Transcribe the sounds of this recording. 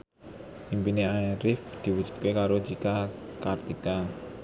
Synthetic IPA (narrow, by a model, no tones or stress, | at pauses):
ʔimpineajɾɪfd̪̥i̤wud̥d͡ʒ̥ṳ̥t̪̚kekaɾo̥d͡ʒikakart̪ika